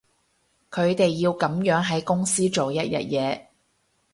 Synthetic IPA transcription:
kʰɵ˨˧ɥt̪e˨jːiː˧wkɐ˨˥mjœː˨˥ŋɦɐ˨˥jkʊ˥ŋsiː˥t͡ʃo˨wjɐ˥t̚jɐ̰˨t̚jɛː˨˧

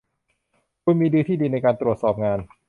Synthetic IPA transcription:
kʰuː˧nmiː˧dɯː˧t̪ʰiː˥˩diː˧na˧jkaː˧nt̪ɾu˨˩ət̪̚sɔː˨˩p̚ŋaː˧n

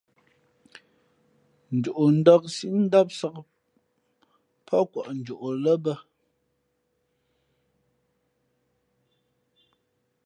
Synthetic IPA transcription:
n̩˨d͡ʒu˨ʔo˨n̩˦dɔ˦k̚si˦ʔn̩˦da˦p̚sa˦k | pʰɔ˦kwɔ˨ʔn̩˨d͡ʒu˨ʔo˨lə˦bə˦

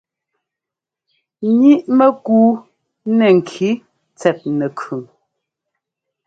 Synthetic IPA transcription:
ɲi˦ʔmɛ˦kuː˦ | nɛ˨ŋ̩˨kʰi˨˦ | t͡sɛ˨t̚nɛ˨kʰʉ˨m

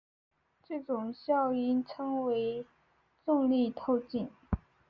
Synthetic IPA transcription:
ʈ͡ʂɤ˥˩ʈ͡ʂʊ˨˩ŋɕjɑ˥˩ʊi˥˩nʈ͡ʂʰɤ˥ŋwe˧˥ɪ | t͡sʊ˥˧ŋli˥˧t̪ʰo˥˧ʊt͡ɕi˥˩n

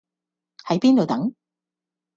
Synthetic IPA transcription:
hɐ˨˥jpiː˥nt̪o˨wt̪ɐ˨˥ŋ

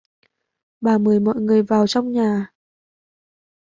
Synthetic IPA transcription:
ɓaː˨˩mɨ˨˩əjmɔ̰˧˨jŋɨ˨˩əjvaː˨˩wt͡ɕɔ˧wŋ͡mɲaː˨˩

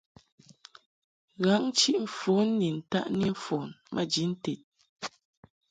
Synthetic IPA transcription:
ɣa˨˦ŋ̩˦t͡ʃi˦ʔɱ̩˨fo˨˦nː˦i˨n̩˨ta̰˦ʔni˦fɔ˨nmʔə̰˦d͡ʒi˨˦n̩˦te˨t̚

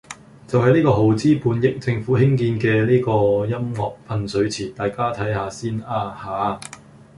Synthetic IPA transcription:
t͡sɐ˨wɦɐ˨˧jniː˥kɔː˧ɦo˨˩wt͡siː˥puː˨˧njɪ˨˥k̚t͡sɪ˧ŋfuː˨˥hɪ˥ŋkiː˧nkɛː˧niː˥kɔː˧jɐ˥mŋɔː˨k̚pʰɐ˧nsɵ˨˧ɥt͡sʰiː˨˩t̪aː˨jkaː˥t̪ʰɐ˨˥jhaː˨˧siː˥naː˧haː˨˥

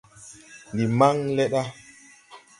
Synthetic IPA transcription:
ndi˨ma˦ŋlɛ˦ɗa˦

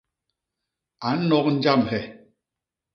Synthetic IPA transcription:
a˨n̩˦nɔ˦k̚n̩˦d͡ʒa˦˨mɦɛ˨

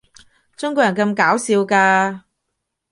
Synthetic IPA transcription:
t͡ʃʊ˥ŋk̬ʷɔː˧kjɐ˨˩nkɐ˧mkaː˨˥wsiː˧wkaː˧

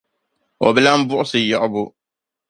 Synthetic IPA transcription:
ɔ˨bɛ˦la˦m˦bʊ˦ʔʊ˦sɨ˨jɔ˦˨ʔʊ˦bʊ˦

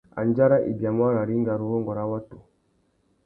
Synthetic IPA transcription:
a̰˨n˦d͡ʒa˦ɾa˦ʔḭ˨bja˨mwa˦ɾa˨ɾi˦ŋɡa˨ɾu˨ɾɔ˦ŋɡɔ˨ɾa˦wa˦tu˨

